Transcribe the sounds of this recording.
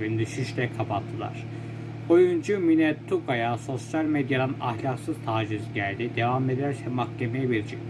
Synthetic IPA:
ind̪yʃyʃlɛkʰapat̪ʰːɯlˠa̰ɾ̥ | o̞jund͡ʒuminɛt̪ʰːukajaso̞sjalʲmed̪jad̪ana̰hlʲaksɯz̥t̪ʰaːd͡ʒizɟælʲd̪id̪e̞vamled̪ɾæɾsɛmakcʲʰe̞mejɛbiɾt͡ʃʰik̚

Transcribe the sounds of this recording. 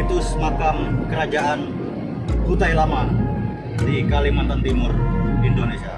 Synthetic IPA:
it̪usəmakamkəɾad͡ʒaʔan | hut̪ajlama | dikalimant̪ant̪imʊrindonesia

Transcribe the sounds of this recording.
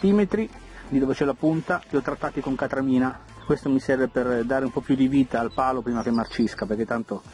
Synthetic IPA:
t̪iːmet̪ɾi | d̪id̪oːvet͡ʃɛlapunt̪at̪iɔt̪ːɾat̪ːaːt̪ikoŋkat̪ɾamiːna | kwest̪omisɛrveperd̪aːɾeumpɔpːjud̪iviːt̪aːlpaːlopɾiːmak̟emːart͡ʃiskapeɾrk̟et̪ːant̪o

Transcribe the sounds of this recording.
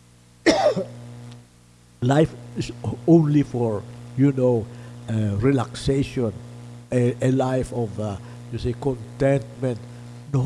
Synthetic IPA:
lajfɪsõnlifɔɹjunoaɹɛlakseʃɔ̃n | elajfɔva | jusikɔ̃nt̪ɛ̃nt̪̚mɛ̃nt̪ | no

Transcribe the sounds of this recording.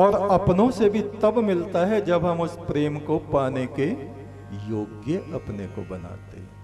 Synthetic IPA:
ɔːɾɐpnõsebʱit̪ɐbmɪlt̪aɦɛd͡ʒɐbʱɦɐmʊspɾeːmkopaːneke | joːɡjəʔɐpneko̰bɐna̰ːt̪ḛɦɛ̃

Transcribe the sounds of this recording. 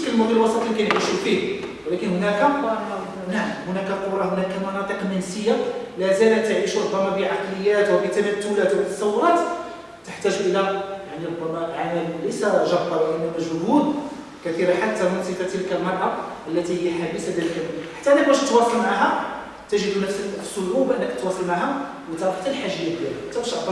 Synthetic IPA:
kləlmʊd̪ilwɑsˤɑt̪ˤlikæjnʕiʃufihwəlækənhʊnækæ | naʕmhʊnækæqoɾˤɑhʊnækæmɑnɑt̪ˤəqmænsəjːalæzælæt̪ːəʕiʃɾʊbːæmæbiʕaqləjːæt̪wəbit̪æmæt̪ːʊlæt̪wbit̪ːɑ̥sˤɑwːʊɾˤɑt̪ | t̪əħt̪æʒʔəlæjaʕniɾʊbːæmæʕamæmləjsæʒɑbːɑlʔənːæmæʒʊhud̪ | kæθiɾaħat̪ːæmənsifæt̪əlkælmɑɾˤʔɑʔəlːæt̪ihəjːæħabəsad̪ælkælæħḁt̪ːæʔnːæk̚bæʃt̪wɑsˤɑlmaʕɦæ | t̪æʒəd̪næfsəlsˤːoʕubʔənːækət̪wɑsˤɑlmaʕhæ | wət̪ɑɾˤɑħt̪əlħaʒəjːæd̪jælæt̪æbæʃʔɑd̪ɑ

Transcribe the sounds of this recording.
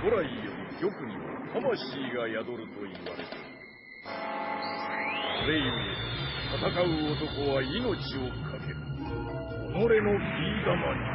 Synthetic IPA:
koɾaijonʲiɡʲo̞kɯ̟ɲ̟ima̰t̪ʰamaɕiːɡajad̪o̞ɾɯ̟t̪o̞iβa̰ɾe̞t̪eɯ | soɾe̞iad̪et̪ʰat̪akaɯ̟ot̪o̞ko̞βaino̞t͡ɕio̞kʰake̞ɾɯ | koɾe̞no̞iːd̪amaɲi

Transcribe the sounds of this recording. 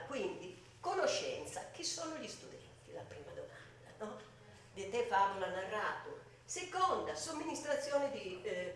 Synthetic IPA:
kwind̪i | kɔnɔʃːɛ̰nt̪sak̟isːɔːnuʎist̪ud̪ɛnt̪ilapɾiːmad̪ɔmand̪anɔ | d̪ɛt̪ɛfavulanarːaːt̪u | sɛkɔnd̪asomːinist̪ɾat̪sːjɔːnɛd̪i

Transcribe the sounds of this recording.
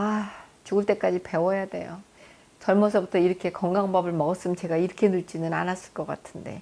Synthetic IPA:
at͡ɕuɡɯɭt͈e̞k͈ad͡ʑipe̞wʌjade̞̰jo̰ | t͡ɕʌɭmʌs̬ʰʌbutʰʌiɾʌkʰe̞kʌŋɡaŋbʌbɯɭmʌɡʌs͈ɯmt͡ɕe̞ɡaiɾʌkʰe̞nuɭt͡ɕ͈inɯna̰nas͈ɯ̥ɭk͈ʌk͈a̰tʰɯnde̞̰

